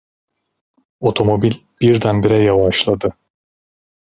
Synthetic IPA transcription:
o̞t̪ʰo̞mo̞bilʲb̥iɾd̪ænbiɾɛjavaʃlˠad̪ɯ

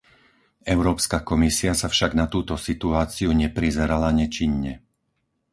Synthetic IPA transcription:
ɛʊɾɔːpskakɔmisiasafʃaɡnat̪uːt̪ɔsit̪uaːt͡siuɲɛpɾizɛɾalaɲɛt͡ʃiɲːɛ

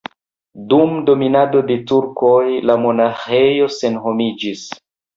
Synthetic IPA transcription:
dumdo̞minado̞de̞tuɾko̞jlamo̞naxe̞jo̞se̞nɦo̞mid͡ʒis

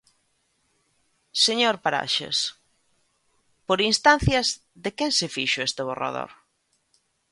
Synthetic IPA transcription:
seɲoɾpaɾa̰ʃḛs | poɾinst̪an̟θjɐz | ðekensɪfiʃʊest̪eβ̞ora̰ðo̰ɾ

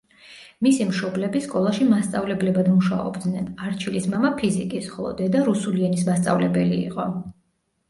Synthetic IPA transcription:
misimʃɔblɛbiskʼɔlˠaʃimast̪sʼavlɛblɛbad̪muʃa̰ɔ̰bd̪nɛnaɾt͡ʃʰilismamapʰizikʼisχɔlˠɔ̰d̪ɛd̪aɾusuliɛnismast̪sʼa̰vlɛbɛlḭːqʼɔ

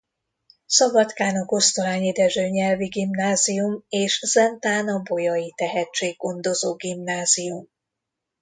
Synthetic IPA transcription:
sɒbɒt̪kaːnoko̞st̪olaːɲeːd̪ɛʒøːɲɛlviɡimnaːzijumeːʃz̥ɛnt̪aːnɒbo̞jɒjit̪ɛɦɛt͡ʃːeːɡːo̞nd̪o̞zoːɡimnaːzijum

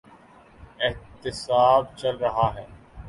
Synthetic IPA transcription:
ɪɦt̪ɪsaːb̚t͡ʃɐlɾɐɦaɦɛː

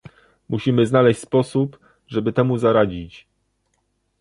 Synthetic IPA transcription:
muɕimɘznalɛɕt͡ɕʲspɔsup | ʐɛbɘt̪ɛmuzaɾad͡ʑit͡ɕ

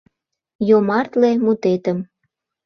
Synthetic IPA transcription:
jomɑrt̪lemut̪et̪əm

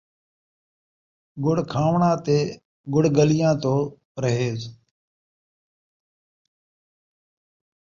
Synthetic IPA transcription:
ɡʊɽ̤kʰaːʋɳãːt̪eː | ɡʊɽɡəlɪjãːt̪oː | ɾəɦeːz

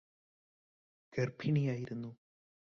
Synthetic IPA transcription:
ɡ̥ɐrpʰiɳijaːjiɾunːu

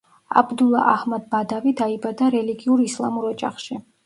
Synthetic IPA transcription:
a̰bd̪ulˠa̰ʔahmad̪̚bad̪avid̪aibad̪aɾɛliɡiuɾislˠamuɾɔt͡ʃʼa̰χʃi

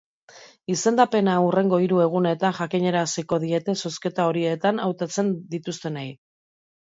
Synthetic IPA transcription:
ise̞nd̪ape̞naure̞ŋɡo̞iɾue̞ɣ̞une̞t̪anʝakiɲe̞ɾasiko̞ðie̞t̪e̞so̞ske̞t̪ao̞ɾie̞t̪anawt̪at͡se̞nd̪it̪ust̪e̞naj

